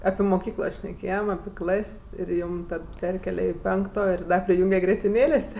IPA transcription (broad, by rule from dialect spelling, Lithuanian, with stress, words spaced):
ɐpʲɪ moːˈkʲiːklˠoː ʃʲnʲɛˈkʲeːjɛm ɐpʲɪ ˈklˠɐsʲ ɪr ˈjuːm ˈtɐt ˈpʲɛrʲkʲeːlʲɛ ɪ ˈpʲɛŋktoː ɪ ˈdɐ pʲrʲɪˈjuːŋʲɡʲɛ ɡrʲiɛtʲɪˈnʲeːlʲeːsʲ